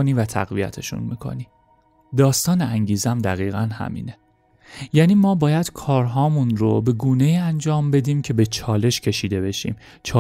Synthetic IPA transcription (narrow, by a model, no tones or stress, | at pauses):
oniːvæt̪ʰæ̰ɣvijæ̰t̪ʰe̞ʃṵnmḭːkʰo̞̰niː | d̪ɒːst̪ɒːneʔæŋɟiːzeæmd̪æɣiːɣænhæ̰mḭːne̞ | jæːniːmɒːbɒːjæd̪̥kʰɒːɾɦɒːmunɾo̰be̞ɡuːne̞iːænd͡ʒɒːmbe̞d̪iːmcʰe̞be̞t͡ʃʰɒːle̞ʃcʰe̞ʃiːd̪e̞be̞ʃḭːm | t͡ʃʰɒː